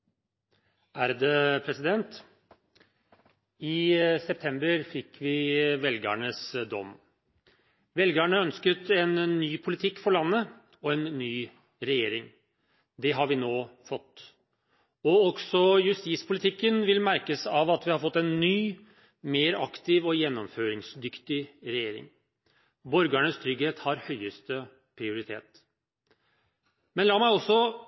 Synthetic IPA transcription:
æɾd̪ɛpʰɾɛsɪd̪ɛnt̪ | ɪsɛp̚t̪ʰɛmbəɾfɪkʰːʋɪʋɛlɡə̰ɳəsd̪ɔ̰m | ʋɛlɡəɳəœnskət̪ɛnːyːpʰʊlɪt̪ʰɪkːfɔɭɑnːə | ɔɛnːyː | ɾɛjeːɾɪŋ | d̪ɛɦɑɾʋɪnoːfɔt̪ː | ɔɔɡsɔjʉst̪iːspʰʊlɪt̪ʰɪkːənʋɪlmæɾkəsɑʋɑt̪ʋɪhɑɾfɔt̪ːɛnːyː | meːɾɑ̰kt̪ɪʋɔjɛnːɔmføːɾɪŋsd̪ʏkt̪ɪɾɛjeːɾɪ̰ŋ | bɔɾɡæɳəst̪ʰɾʏɡheːt̪hɑɾhœʏəst̪ə | pʰɾɪʊɾɪt̪ʰeːt̪ | mɛnlɑːɾmæɪɔsːɔ

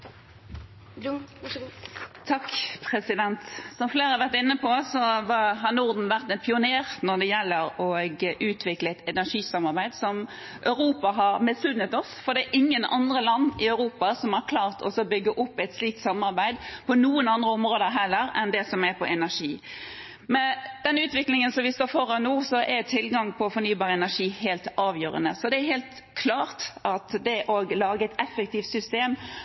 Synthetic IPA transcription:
t̪ʰɑkːpʰʁɛsɪd̪ɛnt̪sɔmfleːɾɑʋæʁt̪ɪnːəpʰɔsɔʋɑɦɑnʊʁd̪n̩ʋæʁt̪ɛnpʰɪʊneːʁnɔd̪ɛjɛlːəɾɔɡʔʉːt̪ʰʋɪkləɛt̪ɛnæʂiːsɑmɑɾbæɪd̪sɔm | ʔœʉɾuːpɑɦɑɾmɪsʉnːət̪ɔsfɔɾd̪ɛːɾʔɪŋːənɑ̰nd̪ʁəlɑnːɪɑʉɾuːpɑsɔmæɾkʰlɑːʁt̪ʰɔ̰sɔbʏɡːəʔʊpːæɪt̪sliːk̚t̪sɑmɑɾbæɪd̪pʰɔnuːənɑnd̪ɾəɔmɾoːd̪əɦɛlːəɾɛnd̪ɛsɔmæpʰɔʔɛnæʂiː | mɛd̪̥ɛnʉːt̪ʋɪklɪŋənsɔmʋɪst̪oːfɔɾɑnuːsɔʔɛt̪ʰɪlɡɑŋpʰɔfɔɾnyːbɑːɾəɛnæʂiːheːlt̪ɑːʋjøːɾə̰nəsɔd̪ɛæɾɦeːlt̪ | kʰlɑːɾt̪ʔɑt̪d̪ɛʔoːɡlɑːɡəɛt̪ɛfək̚t̪iːft̪sʏst̪eːm

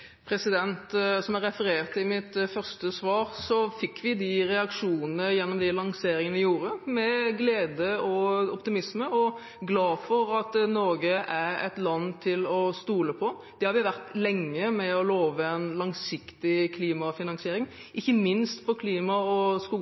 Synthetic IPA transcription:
pʰɾɛsɪd̪ɛnt̪sɔmæɾɛfəɾeːʁt̪ːɪmɪt̪fœʁst̪əsʋɑːɾsɔfɪkːʋɪd̪ɪɾɛɑkʂuːnənəjɛnːɔmd̪ɪlɑŋseːɾɪŋənʋɪjuːɾəmɛɡleːd̪əɔɔpt̪ɪmɪsməɔ | ɡlɑːfɔɾɑt̪nɔːɡəʔæɾɛ̰t̪lɑnːt̪ʰɪlɔst̪uːləpʰɔ | d̪̥ɛhɑɾʋɪʋæʁt̪lɛŋːəmɛɔloːʋəɛnlɑŋsɪkt̪ɪkʰliːmɑfɪnɑŋsɪeːɾɪŋ | ʔɪçːəmɪnst̪pʰɔkʰliːmɑɔskuː

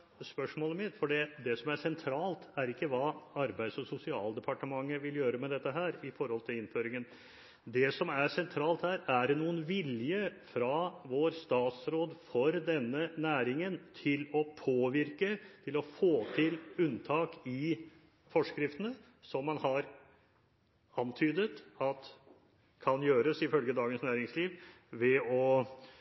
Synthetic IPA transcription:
spœʂmoːləmɪt̪ːfɔɖɛd̪ɛsɔmæsɛnt̪ʰɾɑːlt̪æɾɪkːəʋɑːɑɾbæɪd̪sɔsʊsɪɑ̰ːld̪ɛpʰɑʈəmɑŋːəʋɪljøːɾəmɛd̪ɛt̪ːəɦæːɾɪfɔɾhɔlt̪ʰɪlɪnføːɾɪŋən | d̪ɛsɔmæsɛnt̪ʰɾɑːlt̪hæːɾæɖɛnuːənʋɪljəfɾɑʋoːɾst̪ɑːt̪sɾoːd̪fɔɾd̪ɛnːənæːɾɪŋənt̪ʰɪlɔpʰoːʋɪɾkət̪ʰɪlɔfoːt̪ʰɪlʉnt̪ʰɑːkɪ | fɔʂkɾɪft̪ənə | sɔmːɑnhɑɾ | ɑnt̪ʰyːd̪ət̪ɑt̪ | kʰɑnjøːɾəsɪfœlɡəd̪ɑːɡənsnæːɾɪŋsliːʋ | ʋɛɔ

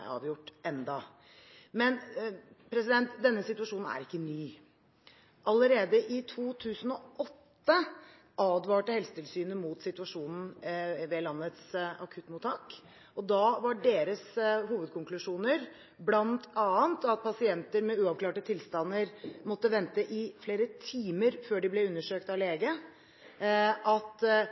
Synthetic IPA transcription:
ɑ̰ːʋjʊʈːʔɛnd̪ɑ | mɛnpɾɛsɪd̪ɛnt̪d̪ɛnːəsɪt̪ʉʋɑʂuːnn̩æ̰ɾɪkːənyː | ʔɑləɾeːd̪əʔɪt̪ʰuːt̪ʰʉːsən̩ɔɔt̪ːə | ʔɑːd̪ʋɑːʈəhɛlsət̪ʰɪlsyːnəmuːt̪sɪt̪ʉɑʂuːnn̩ʋeːlɑnːət̪sɑ̰kʰʉt̪ːmuːt̪ʰːɑːk | ɔd̪ɑʋɑɖeːɾəsɦuːʋəd̪̚kʰʊŋklʉʂuːnəɾ | blɑnt̪ʰɑːənt̪ɑt̪̚pʰɑsɪɛnt̪əɾmɛʉːɑʋkʰlɑːʈət̪ʰɪlst̪ɑnːəɾmɔt̪ːəʋɛnt̪əʔɪfleːɾət̪ʰiːməɾføːɖɪblɛʉnːəʂøːkt̪ɑʋleːɡə | ʔɑt̪

